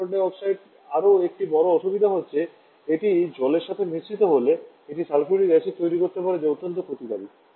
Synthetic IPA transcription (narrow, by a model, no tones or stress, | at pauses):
ɖeɔksajʈ | aɾoek̚ʈibɔɾoɔʃubid̪ʱaɦotːɕʰe | eʈid͡ʑɔleɾʃat̪ʰemist͡ɕit̪oɦole | eʈisalfʰɾuʈiɡɛʃit̪ojɾikoɾt̪epaɾed͡ʑeot̪ːont̪opʰɾot̪id̪abi